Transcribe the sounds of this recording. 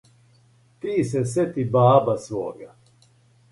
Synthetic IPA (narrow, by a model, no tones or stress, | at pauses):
t̪iːs̬ɛs̬et̪ibaːbasʋo̰ːɡa